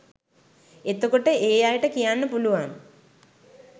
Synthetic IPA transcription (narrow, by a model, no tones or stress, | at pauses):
et̪ːukːoʈːeʔeːjaːjiʈːɨkijaːnːɨpuluʋaːn